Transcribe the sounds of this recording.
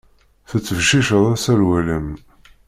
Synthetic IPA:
θət͡sːəvʃiʃəðˤæsæɾwæləm

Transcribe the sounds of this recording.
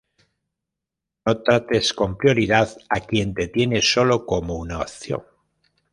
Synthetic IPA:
no̞t̪ɾat̪e̞sko̞mpɾjo̞ɾiðaðakje̞nt̪e̞t̪je̞ne̞so̞lo̞ko̞mounao̰θjo̞̰ŋ

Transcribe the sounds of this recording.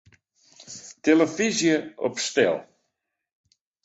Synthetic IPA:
teləfizjəɔ̰pstɛ̰lˠ

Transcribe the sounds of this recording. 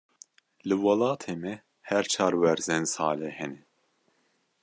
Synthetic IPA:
lɨwɑlɑːt̪ʰeːmɛ | hɛɾt͡ʃʰɑːɾwɛɾzɛnsaːlɛhɛnɛ

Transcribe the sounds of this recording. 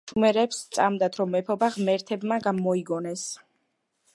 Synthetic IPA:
umɛɾɛpst̪sʼamd̪at̪ʰɾɔmɛpʰɔbaʁmɛɾt̪ʰɛbmaɡamɔiɡɔnɛs

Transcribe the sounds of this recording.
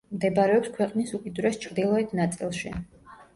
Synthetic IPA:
md̪ɛbaɾɛɔpskʰwɛqʼnisukʼid̪uɾɛst͡ʃʰɾd̪ilˠɔɛt̪ʰnat̪sʼilˠʃi

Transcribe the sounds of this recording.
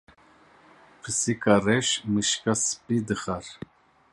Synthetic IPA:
pʰɨsikarɛʃmɨʃkasɨ̥pid̪ɨχaɾ

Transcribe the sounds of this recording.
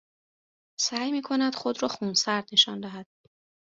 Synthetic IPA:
sæːjmiːkʰonæd̪̥xod̪ɾɒːxunsæɾd̪neʃɒnd̪æɦæd̪̥̚

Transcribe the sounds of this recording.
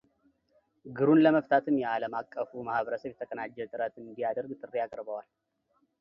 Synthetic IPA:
ɡɨɾunləməft̪ʰat̪ʰɨmjɛaləmakʼːəfumahβəɾəsəβjɛt̪ʰəkʼənad͡ʒːɛt̪ʼɨɾət̪ɨnd̪ijad̪əɾɡt̪ʼɨrːijakʼɾbəwal

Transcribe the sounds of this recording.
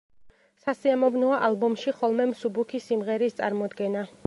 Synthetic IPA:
sasiamɔvnɔaʔalˠbɔmʃiχɔlˠmɛmsubukʰisimʁɛɾist̪sʼa̰ɾmɔd̪ɡɛna

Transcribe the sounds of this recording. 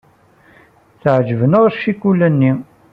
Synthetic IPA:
θəʕd͡ʒəvənəʁɾʃikːulːænːi

